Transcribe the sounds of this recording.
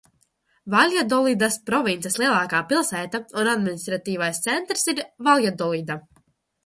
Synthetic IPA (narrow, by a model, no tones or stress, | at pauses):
valʲjad̪ɔlˠid̪aspɾɔvint̪sɛslˠiɛlˠaːkaːpilˠsæːt̪aunad̪minist̪ɾat̪iːvajst̪sɛnt̪ɾsiɾvaljad̪ɔlˠid̪a